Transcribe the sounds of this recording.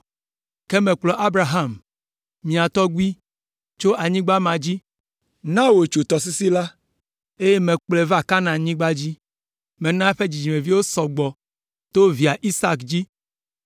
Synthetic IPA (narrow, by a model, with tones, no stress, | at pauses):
ke˦mẽ˨k͡plɔ˨ʔa˦bɾa˨ɦa˦˨m | mĩ˨a˨t̪ɔ˦ɡu˦i˦ | t͡ʃo˦ʔa˨ɲĩ˦ɡ͡ba˦mã˨d͡ʑi˦ | nã˦wo˨t͡ʃu˨t̪ɔ˨s̬i˦si˦la˦ | e˦je˦mẽ˨k͡ple˨va˦˨ka˦nã˨ɲĩ˦ɡ͡ba˦d͡ʑi˦ | mẽ˨nã˦ɸe˦d͡ʑi˨d͡ʑi˨mẽ˨vi˦wo˦sɔ˨ɡ͡bɔ˨ | t̪o˦vi˨a˨ʔi˦sa˦˨kd͡ʑi˦